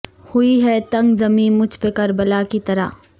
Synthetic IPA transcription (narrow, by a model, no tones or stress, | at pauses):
hʊiɦɛt̪ɐ̃ŋɡzɐmĩːmʊd͡ʒʱpekɐɾbəlakit̪ɐɾa̰